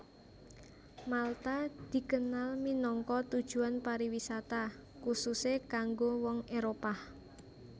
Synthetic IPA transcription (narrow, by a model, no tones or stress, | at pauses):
malt̪ad̪̥i̤kənalminɔŋkɔt̪ud̥ʒ̥ṳanpaɾiwisat̪akususekaŋɡowɔŋeɾopah